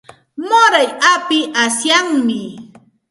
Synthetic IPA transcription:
moɾajapɪʔasjaŋmɪ

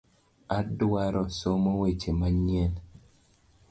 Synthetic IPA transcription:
adwaɾɔsomowet͡ʃemaɲen

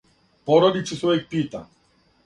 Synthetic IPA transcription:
pɔɾɔd̪it͡ʃisɔik̚piːt̪a̰

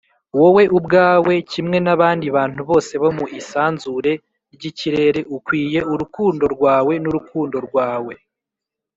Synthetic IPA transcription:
wowe̞ʔubɡaːwe̞cimŋe̞naβaːndiβaːn̥huβo̞ːse̞βomuʔisaːnzuɾe | ɾɟiciɾe̞ɾe̞ʔukwiːje̞uɾukuːndo̞ɾɡwaːwe̞nuɾukuːndo̞ɾɡwaːwe̞

